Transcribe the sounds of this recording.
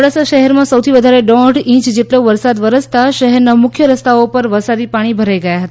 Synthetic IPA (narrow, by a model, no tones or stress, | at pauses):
ɽasaʃəɦɛɾmãsəwt̪ʰiʋəd̪ʱaɾeɖɔ̃ɖĩt͡ʃd͡ʒeʈloʋəɾsad̪ʋəɾəst̪aʃəɦɛɾnamʊkʰjəɾəst̪ʰaopəɾʋəsaɾipaɽ̃ibʱəɾajɡəjaɦət̪a